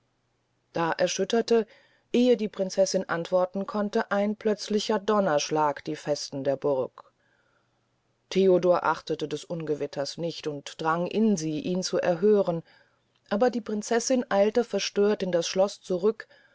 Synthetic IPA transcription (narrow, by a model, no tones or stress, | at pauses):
d̥aːʔɛɐʃʏtɐtə | ʔeːədiːpʁ̥ɪnt͡sɛsɪnʔantv̥ɔɐtn̩kʰɔntəʔaɪnpʰl̥œt͡slɪçɐdɔnɐʃlaːkd̥iːfɛstn̩deːɐbʊɐk | tʰeːodoːɐʔaχtətədɛsʔʊnɡəvɪtʰɐsnɪçtʊntd̥ʁaŋʔɪnziːʔiːnt͡suʔɛɐɦøːʁən | ʔaːbɐdiːpʁ̥ɪnt͡sɛsɪnʔaɪltəfɛɐʃtøːɐtɪndasʃlɔst͡suʁʏk